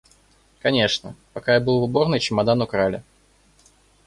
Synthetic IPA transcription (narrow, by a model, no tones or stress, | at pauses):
kɐnʲe̞ʂnə̰pɐkajabɨlˠvɨbo̞rnɨjt͡ɕɪmɐd̪anʊkɾalʲɪ̰